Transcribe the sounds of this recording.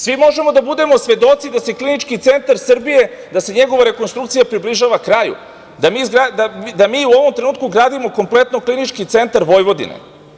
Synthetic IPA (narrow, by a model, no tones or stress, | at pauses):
sʋimo̞ʒe̞mo̞d̪abud̪e̞mo̞sʋe̞d̪o̞t̪sid̪ase̞klinit͡ʃkit̪se̞nt̪aɾsr̩bije̞ | d̪ase̞ɲe̞ɡo̞ʋaɾe̞ko̞nst̪ɾuktsijapɾibliʒaːʋakɾaːjṵ | d̪amizɡɾad̪ad̪amiːuoʋo̞mt̪ɾe̞nuːt̪̚kuɡɾaːd̪imo̞ko̞mple̞t̪noklinit͡ʃkit̪se̞nt̪aɾʋo̞jʋo̞d̪ḭnḛ